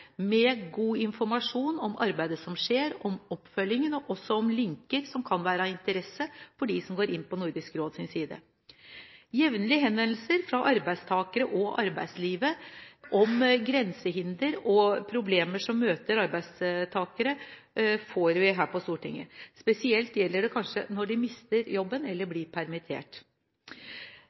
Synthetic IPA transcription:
mɛɡuːɪnfɔɾmɑʂuːnɔmɑɾbæɪd̪əsɔmʂeːɾɔmɔpːfœljɪŋənɔʔɔsːɔɔmlɪŋkəɾsɔmkʰɑnʋæːɾɑɪnt̪əɾɛsːəfɔɖisɔmɡoːɾɪnːpʰɔnʊɾd̪ɪskɾoːd̪sɪnsiːd̪ə̰ | jɛʋnəlɪɦɛnʋɛnlsəɾfɾɑʔɑɾbæɪst̪ʰɑːkəɾəʔɔʔɑ̰ɾbæɪd̪sliːʋəʔɔmɡɾɛnsəɦɪnd̪əɾɔpʰɾʊbleːməʂɔmːøːt̪əɾɑɾbæɪst̪ʰɑːkəɾə | foːɾʋɪɦæːɾpɔst̪uːʈʰɪ̰ŋːə̰spɛsɪɛlt̪jɛlːəɖɛkʰɑnʂə̰nɔɖɪmɪst̪əɾjɔbːənɛlːəblɪɾpʰæɾmɪt̪ʰḛːʈ

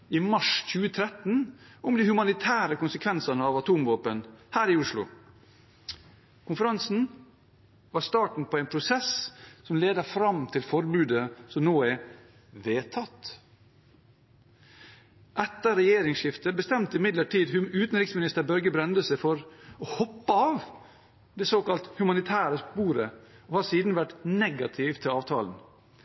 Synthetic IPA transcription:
iːmɑʂc͡çʉːət̪ʰɾɛt̪n̩ʊmd̪iːhʉmɑnɪt̪ʰæːɾəkʊnsəkʰʋɛnsənəɑːʋɑt̪ʰuːmʋoːpənhæːɾiːʊʂlʊ̰ | kʰʊnfəɾɑnsn̩ | ʋɑst̪ɑːʈɳ̩pʰɔːæɪnpʰɾʊsɛssɔmleːd̪əfɾɑmt̪ʰɪlfɔɾbʉːd̪əsɔmnoːɛ | ʋeːt̪ʰɑt̪ | ʔɛt̪ːəɾɛjeːɾɪŋsʃɪft̪əbəst̪ɛmt̪əɪmɪd̪ləʈiːd̪hʉʉːt̪n̩ɾɪksmɪnɪst̪əbœɾɡəbɾɛnd̪əsəfɔɾɔhɔpːəɑʋ | d̪ɛsoːkɑlt̪hʉmɑnɪt̪ʰæːɾəspuːɾəoːhɑsiːd̪n̩ʋæʈnɛɡɑt̪ʰɪʋt̪ʰɪlɑːʋt̪ʰɑ̰ːln̩

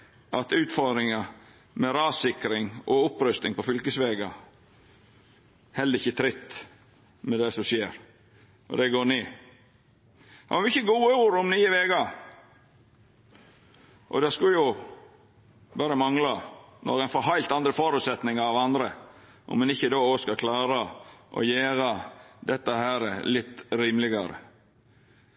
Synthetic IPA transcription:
ʔɑt̪ʉːt̪fɔɾd̪ɾɪŋɑ | mɛɾɑːsɪkɾɪŋʔɔʊpːɾœst̪ɪŋpɔfʏlkəsʋeːɡɑ | hɛlːəɾɪçːət̪ʰɾɪt̪ː | mɛd̪ɛsɔʂeːɾ | ʔɔ̰d̪ɛɡoːniː | hɑ̰ɑjʊɪçːəɡuːəuːɾʊmniːəʋeːɡɑ | ʔɔ̰d̪ɛskʉjʊ | bæːɾəmɑŋlɑnɔ̰ɾɛnfɔɾɦɑɪlt̪ɑnd̪ɾəfoːɾʉːt̪sɛt̪nɪŋɑɾɑʋɑnd̪ɾə | ʔɔ̰mːɛnɪçːəd̪oːoːskɑkʰlɑːɾəʔɔ̰jeːɾɑd̪ɛt̪ːəhæːɾə̰lɪt̪ːɾiːmlɪɡɑ̰ɾə̰

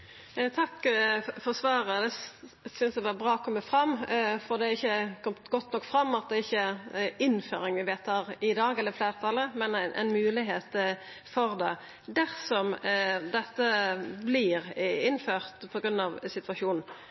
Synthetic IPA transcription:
t̪ʰɑkːfɔʁsʋɑːɾəd̪ɛ | sʏnsd̪ɛʋɑːbʁɑːɔkʰɔmːəfɾɑmːfɔʁd̪ɛæɾɪçːəkʰɔmt̪ɡɔt̪ːnɔkːfɾɑmːɑt̪̚d̪ɛɪçːəɪnːfø̰ːɾɪŋʋɪʋeːt̪ʰɑːʁɪd̪ɑːɡɛləɾɪfleːʁt̪ʰɑlːəmɛnæɪnʔɛ̰ɪnmʉːlɪɦeːt̪ | fɔʁd̪ɛ | d̪æʁsɔmd̪ɛt̪ːəblɪʁɪnːføːʁt̪pʰɔɡɾʉnːɑʋsɪt̪ʋɑʃuːnn̩

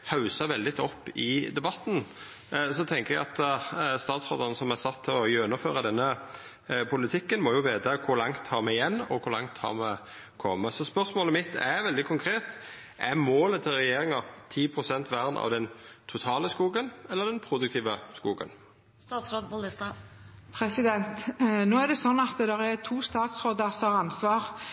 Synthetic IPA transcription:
hɑʉsɑʋɛld̪ɪt̪ʰɔpːɪd̪ɛbɑt̪n | sɔt̪ʰɛŋkəʁɛɡɑt̪st̪ɑːt̪sɾo̰ːd̪əɾnəsɔmæsɑt̪ʰːɪlɔjɛnʊføːɾɑd̪ɛnːə | pʰʊlɪt̪ʰɪkːənmɔjʊʋeːd̪ɑkʰʊɾlɑŋt̪ʰhɑːɾmɛɪjɛnːɔkʰʊɾlɑ̰ŋt̪hɑ̰ɾmɛ | kʰɔmːəsɔspœʁsmoːləmɪt̪ːæ̰ʋɛld̪ɪkʰʊŋkʰɾeːt̪ | ʔɛmoːlət̪ʰːɪlɾɛjeːɾɪŋɑt̪ʰiːpʰʁʊsɛnt̪ʋæʁnʔɑ̰ʋd̪ɛnt̪ʰʊt̪ʰɑːləskuːɡənɛlːəʁɾd̪ɛnpʰɾʊd̪ʉk̚t̪ʰiːʋəskuːɡə̰n | ɑsɾoːd̪bʊləs | pʰɾɛsɪd̪ɛnt̪noːæd̪ɛsɔnːɑt̪d̪ɛʁɛt̪ʰuːst̪ɑːt̪sɾoːd̪əsɔɑʁɑnsʋɑːɾ

